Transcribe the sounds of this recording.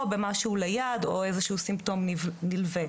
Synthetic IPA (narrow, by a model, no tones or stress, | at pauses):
bemaʃuulejadoezeʃuusimto̞mninilve